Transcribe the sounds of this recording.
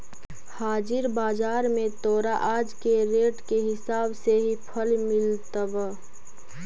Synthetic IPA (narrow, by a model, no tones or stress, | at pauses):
haːd͡ʒɪɾbaːd͡ʒaːɾmẽt̪ɔːɾaʔaːd͡ʒkeɾeːʈkeɦɪsaːbseɦipʰəlmɪlt̪əb